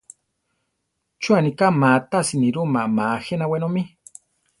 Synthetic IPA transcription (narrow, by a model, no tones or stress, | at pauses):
t͡ʃuanikamat̪asiniɾumamaxenawenomi